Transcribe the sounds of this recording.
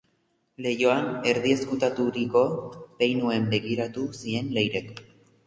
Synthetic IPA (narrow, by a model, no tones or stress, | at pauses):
le̞jo̞ane̞ɾðie̞skut̪at̪uɾiko̞be̞jnue̞mbe̞ɣiɾat̪usie̞nle̞jɾe̞k